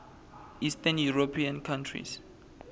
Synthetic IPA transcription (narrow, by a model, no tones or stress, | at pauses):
istanjuɹopʰiãnkʰãntʰɹḭs